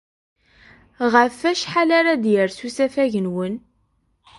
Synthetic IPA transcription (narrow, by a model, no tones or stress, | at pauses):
ʁəfæʃħalaɾad̪jəɾsusæfæʝənwən